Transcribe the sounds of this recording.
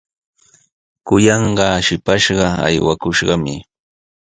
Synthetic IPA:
kʊjɑɴɢɑʃɪpaʃɢɑa̰jwakʊʃɢɑmɪ

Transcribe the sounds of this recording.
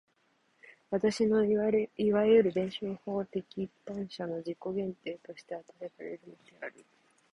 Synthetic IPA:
βat̪aɕino̞iβajɯ̟ɾɯ̟b̪ẽ̞ɰ̃ɕoːho̞ːt̪e̞kʲiːpːãɰ̃ɕano̞d͡ʑikːo̞ɡẽ̞nt̪e̞ːt̪o̞ɕi̥t̪e̞at̪aeɾaɾe̞̰ɾɯ̟no̞d̪e̞aɾɯ̟

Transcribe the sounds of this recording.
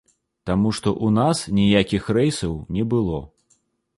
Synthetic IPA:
t̪amuʂt̪ɔʔunasnʲijakʲixrɛjsɐwnʲɛbɨlˠɔ

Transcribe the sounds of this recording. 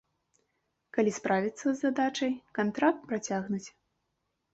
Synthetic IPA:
kalʲispɾavʲit̪sːɐzːad̪at͡ʂɐjkant̪ɾak̚t̪̚pɾat͡sʲaɣnut͡sʲ

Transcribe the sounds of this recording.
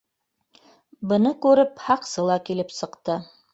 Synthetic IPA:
bɤ̆nɤkʉɾɘphɑqsɤlˠɑkilɘpsɤ̆qt̪ɤ

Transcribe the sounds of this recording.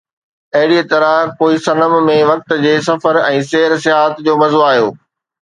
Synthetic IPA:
ɐɦɪɽiet̪ɐɾəkoːisɐnəmmẽʋɐk̚t̪̆d͡ʑeːsɐfəɾɛ̃ːseːɦɾsɪɦaːət̪d͡ʑoːmɐzoaːɦjoː

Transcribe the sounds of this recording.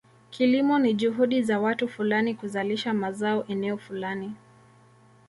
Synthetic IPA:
kʰilimɔniʄuɦuɗizawatufulanikuzaliʃamazaɔʔɛnɛɔfulani

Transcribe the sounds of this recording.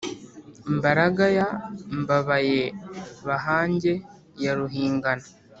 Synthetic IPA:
mbaɾaɡajambaβajeβaɦaːɲɟe̞ | jaɾuɦiːŋɡana

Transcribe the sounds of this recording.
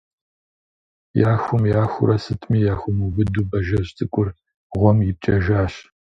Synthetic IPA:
jaːxʷʊmjaːxʷʊ̰ɾɐsɨtʰʼmiːjaːxʷʊmubɨduːbɐʒɐɕtʰɨkʷʼʊr | ʁʷɔmjɪp̚t͡ʃʼɐʒaːɕ

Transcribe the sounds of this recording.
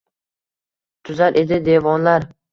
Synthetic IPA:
t̪ʰʊzaɾʔe̞d̪ɪd̪e̞vɒnlaɾ

